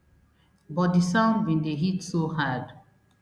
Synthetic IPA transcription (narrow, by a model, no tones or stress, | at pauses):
bɔt̚disãʊ̃ndbĩndeɦitsoɦad